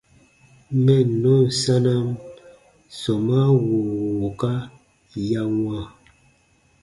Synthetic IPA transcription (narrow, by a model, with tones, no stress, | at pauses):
mɛ˦˨nɔ˦n̩˨sa˦na˦m | sɔ˨ma˦wu˨wo˨ka˦ | ja˦ŋwa˦˨